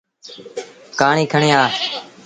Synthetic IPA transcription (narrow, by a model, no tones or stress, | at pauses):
kaːɳĩːkʰəɳiːaː